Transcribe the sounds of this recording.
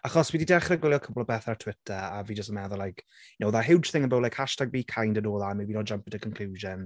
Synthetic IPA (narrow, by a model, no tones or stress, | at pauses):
aχɔswididɛχrəɡwɪlˠjɔkʰəblɔbɛθatʰw̥ɪtʰəaviːd͡ʒəstəmɛðʊlajkʰ | jənowðaɦɪwd͡ʒ̥θɪ̃ŋənbəwlajkʰhaʃtaɡ̚biːkʰajndənoːlˠamɛwinɔd͡ʒampəntʰəkʰɔnkʰl̥uːʒən